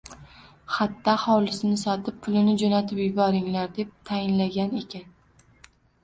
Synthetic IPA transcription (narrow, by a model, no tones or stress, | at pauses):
hat̪ʰːahɒlɪsɪnɪsɒt̪ʰɪp̚pʰʊlɪnɪd͡ʒonat̪ʰɪpjʊbɒɾɪŋlaɾd̪e̞p̚t̪ʰajɪnlaɡʲane̞kʲan